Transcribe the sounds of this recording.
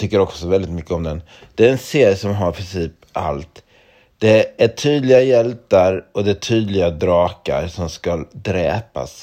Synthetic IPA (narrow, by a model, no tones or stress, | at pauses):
t̪ʰʏkːəɾɔksɔvɛld̪ɪt̪mʏkːəɔmd̪ɛn | d̪̥ɛæɾɛnseːɾjəsɔmɦaɾpʰɾɪnsiːp | a̰lt̪ | d̪̥ɛæʈʰyːd̪lɪɡajɛlt̪aɾɔd̪ɛʈʰyːd̪lɪɡad̪ɾɑːka̰ɾsɔmskald̪ɾɛ̰ːpa̰s